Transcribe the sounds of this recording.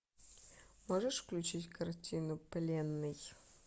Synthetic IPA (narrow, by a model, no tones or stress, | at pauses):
moʐəʂfklʲʉt͡ɕitʲkʰɐrtʲʰinʊplʲenːɨj